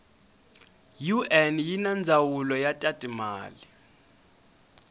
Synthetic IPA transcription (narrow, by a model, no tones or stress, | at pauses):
juʔɛnjinand͡zʱawulɔjatʼatʼima̰ːli